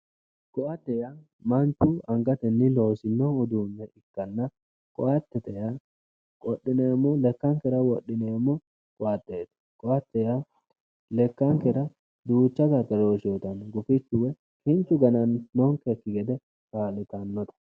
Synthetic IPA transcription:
kʼɔat̪ːɛja | mɐnt̪ːʊɐŋɡɐt̪ɛnːɪlo̞ːsɪnːɔʊd̪uːnːɛɪkːɐnːɐ | kʼɔat̪ːɛt̪ɛja | kʼɔɗːɪneːmːɔlɛkːɐŋkɛɾɐwɔɗːɪnemːɔ | kʼɔat̪ːeːt̪ɐ̥ | kʼɔat̪ːɛja | lɛkːɐŋkɛɾɐ | d̪uːt͡ʃːɐɡɐk̪ːɐɾoːʃjoːt̪ɐnɡʊfɪt͡ʃːʊwɛ | kɪnt͡ʃːʊɡɐnɐnːɔŋkɛkːɪɡɛd̪ɛ | kaːlɛt̪ɐnːɔt̪ɐ̥

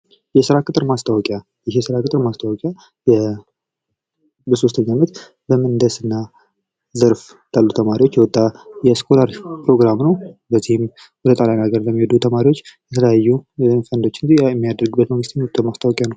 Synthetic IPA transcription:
jɛsɨɾakʼɨt̪ʼɨɾmast̪ʰawɔkʼja | jɪɦesɨɾakɨt̪ʼɨɾmast̪ʰawɔkʼja | jɛ | bəso̞st̪ʰəɲːamət̪ | bəmənd̪əsɨnːa | zəɾf | t̪alːut̪ʰəmaɾiwo̞t͡ʃːjɛwɔt̪ʼːajɛskʰo̞laɾpʰɾo̞ɡɾamnəwbəzːihɪm | wɔd̪ət̪ʼaljanaɡəɾləmːihod̪ut̪ʰəmaɾiwot͡ʃːjɛt̪ʰələjajːunfənd̪o̞t͡ʃːɪnd͡ʒiɛmːijad̪əɾɡbːət̪məŋɡɨst̪ɲɔt̪ʰʼːomast̪ʰawɔkʼjanəw

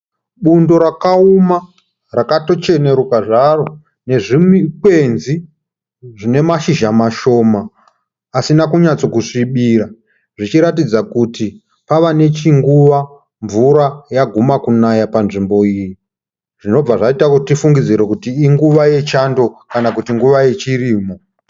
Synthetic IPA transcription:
ɓundo̞ɾakauma | rakato̞t͡ʃene̞ɾukaʐaro̞ | ne̞ʐimikwe̞nzi | ʐine̞maʃiʒamaʃo̞ːmaː | sinakuɲat͡so̞kuʂiɓiɾa | ʐit͡ʃiɾat̬id͡zakuti | paʋane̞t͡ʃiŋɡuʋa | ɱvuɾajaɡʱumakunajapanʐimbo̞iːji | ʐ̥ino̞b͡vaʐaitakutifuŋɡid͡ziɾekutiːŋɡuʋaje̞t͡ʃando̞kanakutiŋɡuʋaje̞t͡ʃiriːmo̞

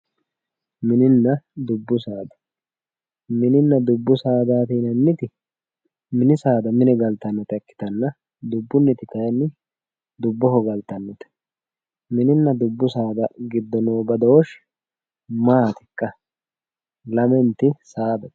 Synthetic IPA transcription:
mɪnɪnːɐd̪ʊbːʊsaːd̪ɐ̥ | mɪnɪnːɐd̪ʊbːʊsaːd̪aːt̪iːnɐnːɪt̪ɪ | mɪnɪsaːd̪ɐmɪnɪɡɐlt̪ɐnːɔt̪ɐkːɪ̥t̪ɐnːɐ | d̪ʊbːʊnːɛt̪ɪk̪ɐjɐnːɪ | d̪ʊbːɔɦɔɡɐlt̪ːɐnːɔt̪ɐ̥ | mɪnɪnːɐd̪ʊbːʊsaːd̪ɐɡɪd̪ːɔnoːbɐd̪oːʃ | maːt̪ɪkʼːɐ | lɐmɛnt̪ːɪsaːd̪ɐ

